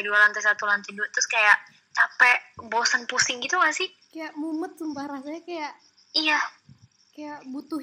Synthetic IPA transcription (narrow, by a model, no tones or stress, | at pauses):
dualant̪ɛsat̪ulant̪iduat̪ɾʊskajaʔ | t͡ʃapɛʔbɔsənpusɪŋɡit̪umasɪh | kajaʔmumət̪̚səmbahɾasajakajaʔ | ija | kajaʔbut̪u